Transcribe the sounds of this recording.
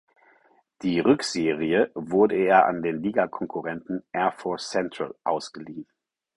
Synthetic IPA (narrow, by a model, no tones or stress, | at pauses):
d̥iːʁʏkz̥eːʁiəvʊɐdəeːɐʔa̰ndeːnliːɡakʰɔŋkʰʊʁɛntn̩ʔɛɐfɔɐst͡sɛntʁ̥a̰lʔa̰ʊsɡ̥əliːn